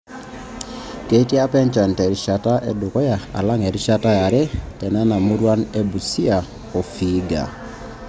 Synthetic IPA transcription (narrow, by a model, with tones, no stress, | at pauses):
ke˦ti˦a˦pɛ˦ɲt͡ʃa˨ntɛ˨ɾi˦ʃa˨ta˦ʔɛ˦dʊ˨kɔ˦ja˨a̰˨la˦ŋɛ˨ɾi˦ʃa˦ta˦ja˨ɾɛ˦tɛ˨nɛ˦na˨mu˦ɾwa˦ne˦bu˨si˦a˨ | ɔ˨fi˨˦ɡa̰˨